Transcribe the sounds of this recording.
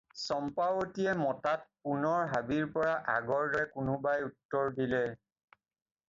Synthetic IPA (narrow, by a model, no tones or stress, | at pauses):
sɔmpawotijɛmɔtat̚punɔɹɦabiɹpɔɹaʔa̰ɡɔɹdɔɹɛkʊnʊbajutːɔɹdilɛ